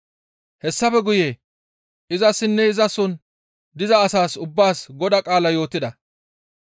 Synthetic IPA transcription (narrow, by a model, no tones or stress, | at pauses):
hɛsːɐfɛɡʊjeː | ʔɪzɐsːɪnːɛɪzɐsɔn | d̪ɪzɐːsaːsʊbːaːsɡɔd̪ɐkʼaːlɐjo̞ːt̪ːɪd̪ɐ